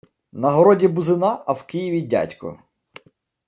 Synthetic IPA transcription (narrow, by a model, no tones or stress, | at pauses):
nɐɦɔɾɔdʲibʊzɪnɑɐwkɪjiʋʲidʲa̰tʲkʊ̰